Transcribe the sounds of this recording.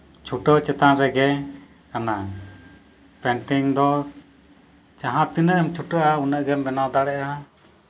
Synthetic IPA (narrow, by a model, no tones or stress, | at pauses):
t͡ʃʰuʈət͡ʃɛt̪anɾɛɡɛ | kana | pɛɳʈiŋd̪ɔ | d͡ʒaɦãt̪inəʔəmt͡ʃʰuʈəʔaunəʔɡɛmbɛnawd̪aɽɛʔa